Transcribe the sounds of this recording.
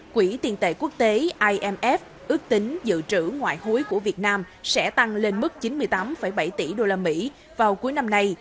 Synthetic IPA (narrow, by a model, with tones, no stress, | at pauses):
kwi˧˩t̪i˨˩ənt̪ḛ˧˨ku˦˥ək̚t̪e˨˦ʔaː˧jʔɛ˧mʔɛ˦˥f̚ | ʔɨ˦˥ək̚t̪ï˨˦ŋ̟zɨ̰˧˨t͡ɕɨ̰˧˥ŋwa̰ː˧˨jxu˨˦jku˧˩əvi˨˩ət̚naː˧m | sɛ̰˧˥t̪a˧ŋle˧nmɨ˦˥k̚t͡ɕi˨˦nmɨ˧əjt̪aː˨˦mfə˧˩jɓa˧˩jt̪i˧˩ɗo˧laː˧mḭ˧˥ | vaː˨˩wku˨˦jna˧mna˧j